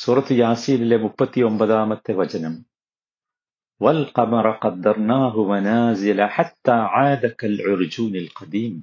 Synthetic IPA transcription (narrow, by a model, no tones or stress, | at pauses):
suːɾˤɑt̪jaːsˤiːllɪmʊbːat̪iwambad̪aːmat̪ɪwad͡ʒanam | walqɑmɑɾˤɑqɑd̪ːɑɾˤnaːɦʊmanaːzɪlaħat̪ːaːʕaːd̪akalʕʊɾd͡ʒuːnalqɑd̪iːm